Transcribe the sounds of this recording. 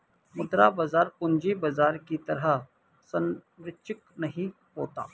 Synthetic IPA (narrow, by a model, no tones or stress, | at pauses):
mʊd̪ɾabɐzaːɾpʊnd͡ʒibɐzaːɾkit̪ɐɾa | sɐnɾɪt͡ʃɪknɐɦĩ | ɦoːt̪a̰ː